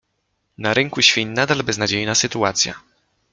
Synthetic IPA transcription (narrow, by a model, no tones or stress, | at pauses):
naɾɘŋkuɕfʲiɲnad̪albɛznad͡ʑejnasɘt̪uat̪sʲja̰